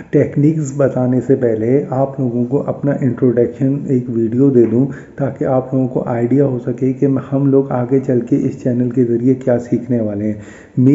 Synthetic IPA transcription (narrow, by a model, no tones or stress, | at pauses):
ʈeːkniːksbɐt̪aːnesepɛɦleaːploːɡõkoʔɐpnaʔɪ̃ɳʈɾoːɖɐkʃəneːkʋiːɖijod̪eːd̪ũ | t̪aːkeaːploːɡõko̰ʔaːɪɖijaɦosɐkekehɐmloːɡaːɡet͡ʃɐlkeʔɪst͡ʃɛːnəlkezɐɾiekjaːsiːkʰneʋaːleɦɛ̃ː | m